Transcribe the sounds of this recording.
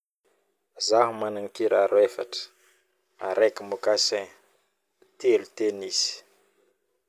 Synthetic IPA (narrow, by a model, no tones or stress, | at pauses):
zaɦumanaŋkiɾaɾwefa̰ʈ͡ʂə̥ | a̰ɾekimukasẽ | t̪elut̪eniz̥i̥